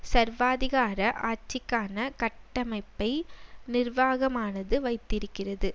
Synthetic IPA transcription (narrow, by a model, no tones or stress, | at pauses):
sɐɾʋaːðɪɣaːɾɐʔaːt͡ʃːɪkːaːnɐkɐʈːɐmɐɪpːɐɪnɪɾʋaːɣɐmaːnɐðɯʋɐɪt̪ːɪɾɯkːɪrɐðɯ